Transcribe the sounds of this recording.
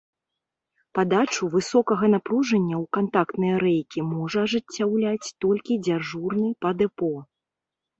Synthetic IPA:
pad̪at͡ʂuvɨsɔkɐɣɐnapɾuʐɐnʲːɐwkant̪akt̪nɨjɐɾɛjkʲimɔʐɐɐʐɨt͡sʲːawlʲat͡sʲt̪ɔlʲkʲid͡zʲaʐurnɨpɐd̪ɛpɔ

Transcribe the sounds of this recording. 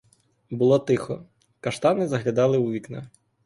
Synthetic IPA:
bʊlˠɔt̪ɪxɔ | kɐʃt̪ɑnɪzɐɦlʲɐd̪ɑlˠɪuʋʲiknɑ

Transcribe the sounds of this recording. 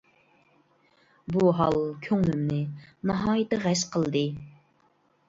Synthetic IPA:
buɦɑlˠkʲʰøŋlɪmnɪnɑɦɑːjɪt̪ɨʁɛʃqʰəlˠd̪ɨ

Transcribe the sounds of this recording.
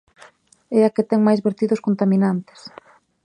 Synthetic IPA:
ɛaket̪ɛŋmajzβeɾt̪iðʊskont̪amĩnant̪ɪ̥s

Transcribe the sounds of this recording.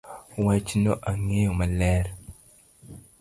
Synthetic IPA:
wat͡ʃinoʔaŋejomaleɾ

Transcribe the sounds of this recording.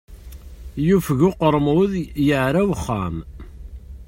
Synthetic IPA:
jufɣʊqəɾˤmʊðjəʕɾæwəχːa̰m

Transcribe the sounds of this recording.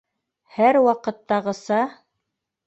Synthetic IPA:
hæɾwɑqɤ̆t̪ːɑʁɤ̆sɑ

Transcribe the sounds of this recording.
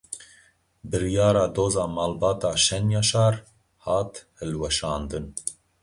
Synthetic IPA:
bɨɾjɑːɾɑːd̪oːzɑːmɑːlbɑːt̪ɑːʃɛnjɑːʃɑːɾ | hɑːt̪hɨlwɛʃɑːnd̪ɨn

